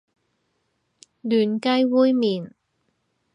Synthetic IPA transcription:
lyː˨˩nkɐ˥jwuː˥jmiː˨˩n

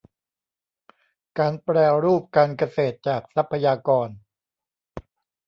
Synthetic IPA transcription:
kaː˧npɾɛː˧ɾuː˥˩p̚kaː˧nka˧seː˨˩t̪̚t͡ɕaː˨˩k̚sa˦˥pʰːa˧jaː˧kɔː˧n

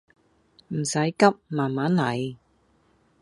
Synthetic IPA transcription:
m̩˨˩sɐ˨˥jkɐ˥p̚maː˨nmaː˨˥nlɐ˨˧j

